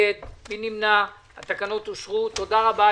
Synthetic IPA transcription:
et̪̚binimna | a̰t̪akano̞t̪oʃʁut̪o̞d̪aʁaba

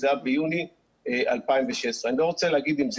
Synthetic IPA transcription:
zabejuni | eʔa̰lpaimveʃesʁeanilo̞ʁo̞t͡seleaɡid̪imz

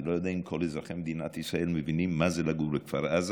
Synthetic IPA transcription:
lojad̪aimkʰolezʁaχemed̪inat̪isʁaelmevinimːazelaɡulekfaɾaz

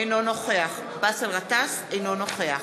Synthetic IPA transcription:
ejnono̞χeaχ | baselʁat̪as | ejnono̞χe̞a

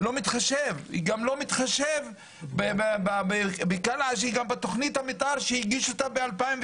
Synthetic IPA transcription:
lo̞mit̪χaʃevḭɡamlo̞mit̪χaʃev | bebbabbekalaaʃ̬iɡambet̪oχnithamit̪ʔalʃehiɡiʃot̪abealpaimv

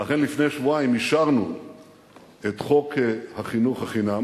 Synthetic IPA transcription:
laχenlifne̞jʃvuaimiʃaʁnṵ | et̪χokhaχinuχhaχinam

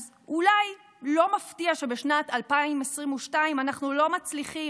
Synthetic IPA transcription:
z | ulaj | lo̞maftiaʃe̞beʃnatalpaimesʁimuʃtaimanaχnulo̞mat͡sliχi

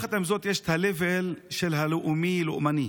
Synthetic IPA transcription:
χat̪amzot̪jeʃt̪ʰalevelʃelɦaloʔumilo̰ʔmani

